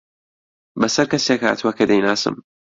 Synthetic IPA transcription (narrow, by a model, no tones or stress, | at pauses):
bɐsɐɾkɐsekha̰t̪ʰwɐkɐd̪ɐjnaːsɨ̰m